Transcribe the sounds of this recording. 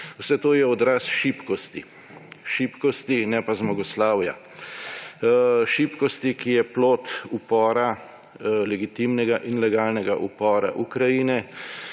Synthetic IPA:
wsɛt̪oːjɛɔd̪ɾasʃipkɔst̪i | ʃipkɔst̪inɛpazmɔɡɔslaːwja̰ | ʃiːpkɔst̪ikijɛploːt̪upɔːɾa | lɛɡit̪imnɛɡaʔinlɛɡaːlnɛɡa̰ʔupɔːɾa̰ʔukɾajiːnɛ

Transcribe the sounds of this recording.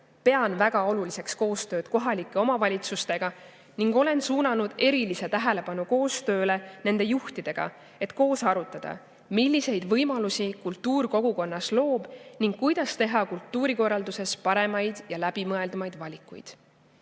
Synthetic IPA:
pe̞ɑnvæɡ̥ɑo̞lulise̞ksko̞ːst̪ø̞ːd̪̥ko̞ɦɑlikːˑe̞o̞mɑvɑlʲit̪sust̪e̞ɡ̥ɑ | niŋɡ̥o̞le̞nsuːnɑnud̪̥e̞ɾilise̞t̪æɦele̞pɑnuko̞ːst̪ø̞ːle̞ne̞nd̪̥e̞juht̪id̪̥e̞ɡ̥ɑ̰ | e̞t̪ko̞ːsɑɾut̪ːˑɑd̪̥ɑ̰ | milʲːise̞jd̪vɤjmɑlusikult̪ːuːrko̞ɡ̥uko̞nːɑslo̞ːb̥niŋɡ̥kːujd̪̥ɑst̪e̞ɦɑkult̪ːuːɾiko̞rːɑld̪use̞spɑɾe̞mɑjd̪̥jɑlæb̥imɤe̞ld̪umɑjd̪̥vɑlʲikːˑujd̪̥

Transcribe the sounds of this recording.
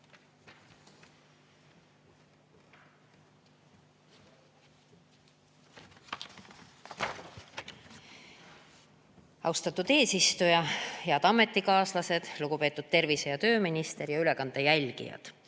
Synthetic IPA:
ɑ̰wst̪ɑt̪ːˑud̪̥e̞ːsist̪ujɑheɑd̪ɑme̞t̪ːˑikɑːslɑse̞d̪̥luɡ̥upeːt̪ːˑud̪̥t̪e̞rvise̞jɑt̪ø̞ːminist̪e̞ɾjɑyle̞kɑnd̪̥ejælʲɡ̥ḭjɑ̰d̪̥

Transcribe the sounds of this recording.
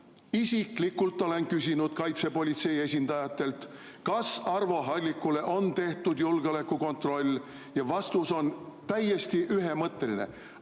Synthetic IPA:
isʲiklikːult̪ːˑo̞le̞nkysʲinud̪̥kɑjt̪se̞po̞lʲit̪se̞jie̞s̬ʲind̪̥ɑjɑt̪ːˑe̞lt̪ | kɑsɑrvo̞ɦɑlʲːikːˑule̞ʔo̞nt̪e̞ht̪ud̪julɡ̥eo̞lekːˑuko̞nt̪ro̞lʲː | jɑvɑst̪uso̞nt̪æjːe̞st̪iʔyɦe̞mɤt̪ːˑe̞linḛ

